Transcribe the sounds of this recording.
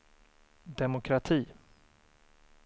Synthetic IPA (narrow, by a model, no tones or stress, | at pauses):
d̪ɛmʊkʰɾat̪ʰiː